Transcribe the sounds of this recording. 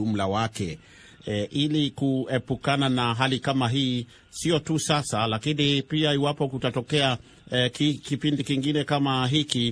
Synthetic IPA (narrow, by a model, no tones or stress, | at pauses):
um̩lawakɛ | ʔilikuɛpukananaɦalikamaɦiː | siɔtusasalakinipiaiwapɔkutatɔkɛa | kikipindikiŋɡinɛkamaɦiki